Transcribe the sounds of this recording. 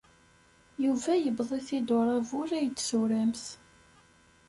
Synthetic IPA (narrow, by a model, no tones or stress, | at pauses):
juvæjəbðˤiθid̪ʊɾˤɑvʊɾæjət͡s̪ːsuɾæmθ